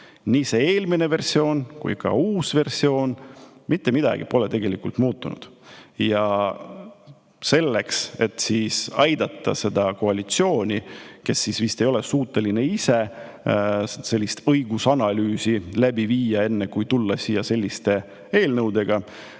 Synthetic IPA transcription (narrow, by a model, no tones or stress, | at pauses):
niːse̞eːlmine̞ve̞rsio̞ːnkṵjkɑ̰uːsve̞rsio̞ːnmit̪ːe̞mid̪̥ɑ̰ɡ̥ḭpo̞le̞t̪e̞ɡ̥e̞likˑult̪muːt̪ˑːunṵd̪̥jɑ | se̞lːe̞kse̞t̪siːsɑjd̪̥ɑt̪ˑːɑ̰se̞d̪̥ɑko̞ɑlit̪sio̞ːnʲike̞sːisvist̪e̞jo̞lesuːt̪ːˑe̞line̞ise | se̞lʲːist̪ɤjɡ̥usɑnɑlyːsilæbiviːjɑe̞nːekujt̪ulːɑsiːjɑse̞lʲːist̪e̞ | eːlnɤwd̪e̞ɡ̥ɑ